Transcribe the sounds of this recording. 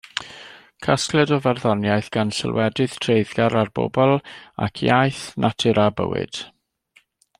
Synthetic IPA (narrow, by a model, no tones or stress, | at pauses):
kʰasklˠɛdɔvɛrðɔnjajθɡ̥ansɪ̰lˠwɛdɨð̥tʰreɨðɡaɾarb̥o̰bɔlˠa̰kʰjajθnʔatʰɪɾʔabə̰wɪ̰d̥